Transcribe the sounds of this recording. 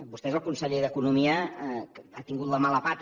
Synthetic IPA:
bust̪ɛzəlˠkunsəʎeðəkunumiə | at̪iŋɡut̪ləmaləpat̪

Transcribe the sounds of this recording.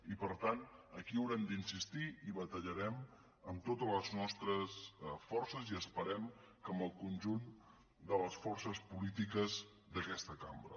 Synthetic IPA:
ipəɾt̪anəkiəwɾɛmd̪insist̪iiβət̪əʎəɾɛm | əmt̪ot̪ələznɔst̪ɾəsfɔrsəziəspəɾɛm | kəməlˠkunʲʒun | d̪ələsfɔrsəspulit̪ikəz | d̪əkɛst̪əkambɾə̰

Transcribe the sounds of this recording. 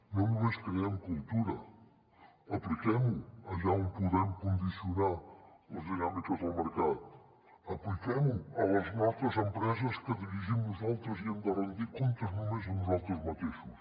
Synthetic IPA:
nɐ̃umeʃkɾiɐmkulˠt̪uɾɐ | ɐplikɛmuɐʒaũmpuðɛmkõnd̪isjunalˠɐzðiɣamik̪ɐzawməɾkaðu | ɐplikemuɐwɐznɔt̪ɐzẽmpɾɛzɐʃkɨðiɾiʒimnuzalˠt̪ɾɐziɐ̃nd̪ɐrẽnd̪ikõnt̪ɐznũmeʒnuzalˠt̪ɾuzmɐt̪ifuʃ

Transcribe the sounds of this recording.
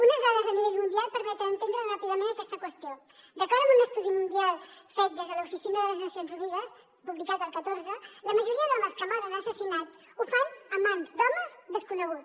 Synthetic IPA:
unəzðaðəzəniβɛʎmund̪ialˠpəɾmɛt̪əːnt̪end̪ɾərapiðəmẽnəkɛst̪əkwəst̪io | d̪əkaɾəmunəst̪uðimund̪ialˠfet̪̚d̪ezðələufisinəðələznəsionzruβiβəs | puβlikat̪əlˠkət̪oɾzələməʒuɾiəðɔməskəmaɾənəsəsinat͡s | ufanəmanzd̪ɔməzd̪əskunəɣ̞u

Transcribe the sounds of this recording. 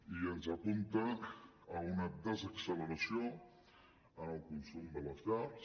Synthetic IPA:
iənzapunt̪aː | unad̪əzəksələɾasjo | ənəlˠkunsumd̪əlasa

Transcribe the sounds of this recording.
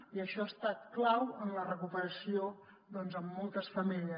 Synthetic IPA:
iəʃɔast̪at̪̚klawənlərəkupəɾəsio | ðɔnzəmːɔlˠt̪əsfəmiʎə

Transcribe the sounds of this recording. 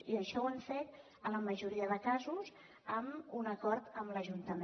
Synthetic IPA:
iəʃɔwəɱfet̪ | ələməʒuɾiəðəkazuz | əmunəkɔɾt̪əmləʒunt̪əm

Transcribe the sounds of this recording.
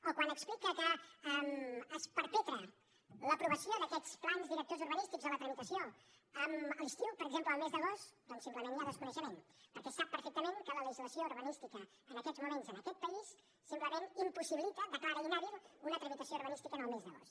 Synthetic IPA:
okwanəksplikəkəəmːspəɾpɛt̪ɾə | ləpɾuβəsioðəkɛt͡splanzðiɾək̚t̪ozuɾβ̞ənist̪iɡzðələt̪ɾəmit̪əsio | əməlist̪iwpəɾəɡzempləːlˠmezðəɣ̞ost̪d̪ɔnsimpləmenjaðəskunəʃəmenpəɾkɛsapːəɾfek̚t̪əmeŋkələləʒizləsiouɾβənist̪ikəː | nəkɛd͡zmumenzənəkɛt̪̚pəisː | impləmenimpusiβilit̪əðəkaɾəlinɛβilˠunət̪ɾəmit̪əsiouɾβ̞ənist̪ikənəlˠmezðəɣo̰st̪

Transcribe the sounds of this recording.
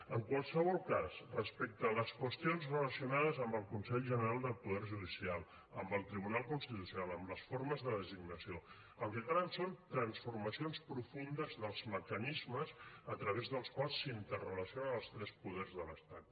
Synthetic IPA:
əŋkwalˠsəβɔlˠkazrəspɛk̚t̪ələskwəst̪ionzrələsiunað̞əzəmbəlˠkunsɛʎʒənəɾalˠd̪əlˠpuðɛrʒuðisialˠ | ə̰mbəlˠt̪ɾiβunalˠkunst̪it̪usjunalˠəmləsfoɾməzðəðəziɡnəsio | əlˠkɛt̪aɾənsont̪ɾənsfurməsionspɾufund̪əzðəlˠzməkənizməzət̪ɾəβ̞ezðəlˠskwalˠsːint̪ərələsionəəlˠst̪ɾɛspuðɛrzðələst̪at̪

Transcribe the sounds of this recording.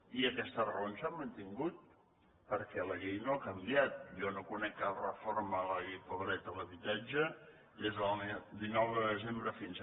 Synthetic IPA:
iəkɛst̪ərəonsamːənt̪iŋɡut̪̚ | pəɾkɛləɣejnoakəmbijat̪̚jɔnokunɛkːərə̰formələɣejpoβɾɛt̪ələβit̪ad͡ʒə | ezəlˠd̪inɔwðəðəzembɾəfinz

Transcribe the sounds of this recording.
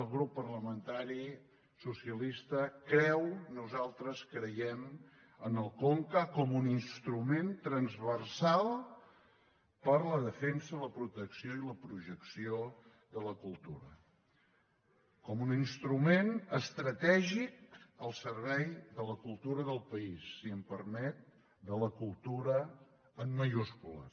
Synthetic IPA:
əlˠɣɾupːərləmənt̪aɾi | susiəlist̪əkɾɛwnuzalˠt̪ɾəskɾəjɛm | ənəlˠkɔŋkəkɔmuninst̪ɾument̪ɾənzβərsalˠ | pəɾləðəfɛnsələpɾut̪əksioiləpɾuʒəksio | ðələkulˠt̪uɾə | kɔmuninst̪ɾumenəst̪ɾət̪ɛʒik̚əlˠsərβɛjðələkulˠt̪uɾəðəlˠpəisːiəmpərmɛt̪̚ | d̪ələkulˠt̪uɾə | əmːəʒuskulə̰

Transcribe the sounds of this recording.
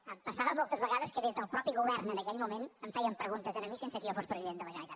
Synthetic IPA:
əmpəsaβəmɔlˠt̪əzβəɣaðəskəðezðəlˠpɾɔpiɣuβɛrnənəkɛʎmumenəmfɛjəmpɾəɣunt̪əzənəmisensəkəiofospɾəziðend̪ələʒənət̪at̪

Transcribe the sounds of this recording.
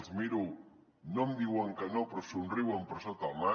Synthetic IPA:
zmiɾu | nomd̪iwaŋkɐnopɾosunriwampəɾsot̪ama

